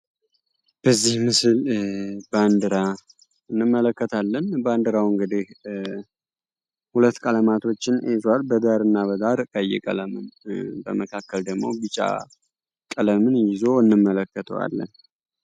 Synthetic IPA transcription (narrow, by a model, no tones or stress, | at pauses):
b̥əzːihmɨsɨlband̪ɨɾa | ɨnːɨmːələkːət̪ʰalːənband̪ɨɾawɨŋɡɨd̪ih | hulət̪ːkʼələmat̪ʰo̞t͡ʃːɪnezwalbəd̪aɾɨnːaβəd̪aɾkʼəjɛ̰kʼələmɨnbə̰məkʰakːəld̪əɡmo̞̰bɨt͡ʃʼːa̰ | kʼələmɨnjɪzo̞ɨnːɨmːələkːət̪ʰə̰wa̰lːə̰n